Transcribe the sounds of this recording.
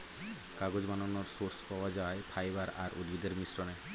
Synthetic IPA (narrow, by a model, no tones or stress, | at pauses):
kaɡod͡ʒmanɔnɔɾsoɾspawad͡ʒajpʰajbaɾaɾṵd̪bid̪eɾmisɾɔne